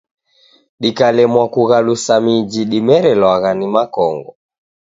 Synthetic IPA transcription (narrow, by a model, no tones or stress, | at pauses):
ɗikalɛmwakuɣalusamid͡ʒiɗimɛɾɛlwaɣanimakɔŋɡɔ